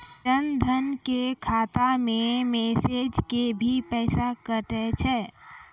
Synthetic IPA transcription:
t͡ʃənd̪ʱənkekʰaːt̪amẽmeːsed͡ʒkebʱipɛːsakəʈ̪ɛt͡ʃʰɛː

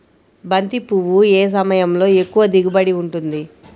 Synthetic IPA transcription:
bɐnt̪ipuʋueːs̬ɐmɐjɐmlo̞ːe̞kːuʋɐd̪iɡubɐɽiuɳʈund̪i

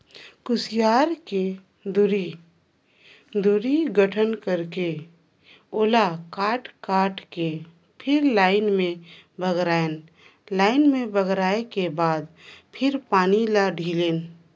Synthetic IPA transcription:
kʊsijaːɾke | d̪ʊɾi | d̪ʊɾiɡəʈʰənkəɾke | oːlakaːʈkaːʈke | pʰɪɾlaːɪnmẽ | bʱəɡɾaːen | laːɪnmẽbəɡɾaːekebaːd̪pʰɪɾpaːnilaɖʱiːleːn

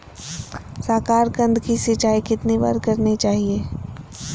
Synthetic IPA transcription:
saːkaːɾkə̃nd̪kisɪt͡ʃaːikɪt̪niba̰ːɾkɐɾnit͡ʃaːɦieː

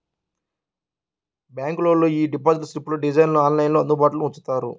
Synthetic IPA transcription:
bjaːŋklo̞ːloːiːɖipaːd͡ʒiʈsɾipːlɐɖid͡ʒɐjnloaːnlɐjnloɐnd̪ubaːʈuluut͡ʃːu̥t̪aːɾṵ

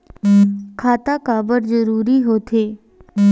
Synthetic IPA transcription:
kʰaːt̪akaːbəɾzəɾuːɾiɦoːt̪ʰeː

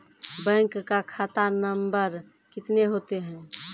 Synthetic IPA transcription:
bɛ̃ŋkːakʰat̪anəmbəɾ | kɪt̪neɦot̪eɦɛ̃

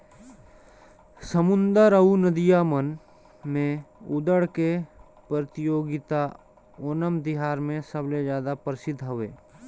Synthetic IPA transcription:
səmʊ̃nd̪əɾəunəd̪ijaːmən | mẽʊd̪əɽke | pɾət̪ɪjoːɡɪt̪a | oːnəmd̪ɪɦaːɾmẽsəbled͡ʒjaːd̪apəɾɪsɪd̪ʱɦoʋḛː

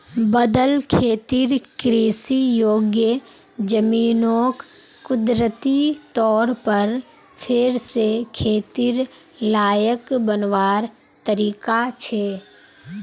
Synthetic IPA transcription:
bəd̪əlkʰeːt̪iɾkɾiːsijoːɡjə | d͡ʒəmiːnoːkː | ʊd̪ɾət̪it̪ɔːɾpəɾ | pʰɪɾsekʰeːt̪iɾ | laːjəkbənʋaːɾ | t̪əɾiːkat͡ʃʰeː

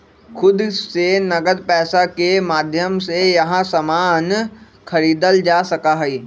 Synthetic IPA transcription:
xʰʊd̪senɐɡəd̪̚pɛːsakemaːd̪ʱjəmsejɐɦãsamaːn | kʰəɾiːd̪əld͡ʒaːsɐkaɦɛiː

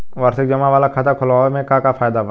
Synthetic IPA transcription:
ʋɐɾsɪk̚d͡ʒɐmaʋaːlakʰɐt̪əkʰʊlaːmẽkakafaːjd̪aʋə

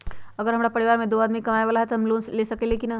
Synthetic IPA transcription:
əɡəɾɦəmɾapəɾiʋaɾmẽd̪oad̪mikɐmaeʋalaɦɛt̪ɔɦəmlonslesəkelekina

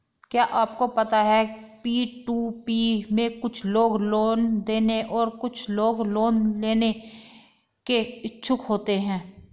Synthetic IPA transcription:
kjaːʔaːpkopɐt̪aɦɛpiːʈuːpiːmẽkʊt͡ʃʰloːɡloːnd̪eːneʔɔːɾkʊt͡ʃʰloːɡloːnleːne | keɪt͡ʃʰʊkɦoːt̪eɦɛ̃ː

